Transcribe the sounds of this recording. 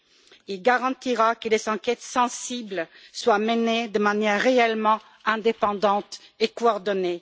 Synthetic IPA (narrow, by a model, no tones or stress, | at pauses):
ilɡaʁɑ̃t̪iʁakəlezɑ̃kɛt̪sɑ̃siblswaməned̪əmanjɛʁːeɛlmɑ̃ | ɛ̃d̪epɑ̃d̪ɑ̃t̪ekoɔʁd̪ɔne